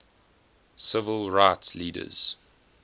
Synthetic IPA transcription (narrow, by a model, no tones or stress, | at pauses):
sɪvəlˠɹaɪtsliːdə̰z̥